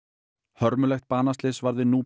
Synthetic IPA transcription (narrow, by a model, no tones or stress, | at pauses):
hœɾmʏlɛxt̪̚paːnast̪lɪsvaɾðɪnuː